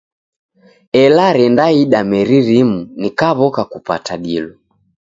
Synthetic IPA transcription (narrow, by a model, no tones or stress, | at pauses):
ɛlaɾɛndaiɗamɛɾiɾimunikaβɔkakupa̰taɗilɔ